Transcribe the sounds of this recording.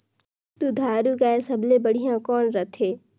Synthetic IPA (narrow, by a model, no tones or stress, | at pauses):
t̪ud̪ʱaːɾuɡaːẽsɐblebɐɽ̤ijãkɔːnɾət̪ʰeː